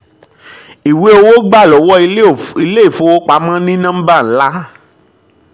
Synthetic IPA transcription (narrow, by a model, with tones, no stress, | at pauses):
i˨we˨˦o˧wo˦ɡ͡ba˦˨lɔ˨˦wɔ˦i˧i˧le˦i˦˨fõ˨˦o˦k͡pa˨˦mã˦nĩ˦nã˦m̩˦ba˦˨n̩˨˦la˦